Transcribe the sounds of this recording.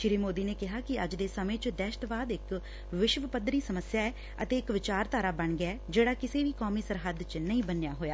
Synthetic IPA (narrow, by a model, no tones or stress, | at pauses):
ʃɪɾiːmoːd̪iːneːkɪɦaːkɪəd͡ʒd̪eːsəmẽːt͡ʃd̪ɛːʃʈ̪ʋaːd̪ɪk | ʋɪʃʋəpəd̪ɾiːsəməsjaːɛː | ə̰t̪eːɪkʋɪt͡ʃaːɾt̪aːɾaːbəɳɡjaːd͡ʒeːɽaːkɪseːʋiːkoːmiːsəɾɦəd̪t͡ʃnəĩːbənjaːɦoːjaː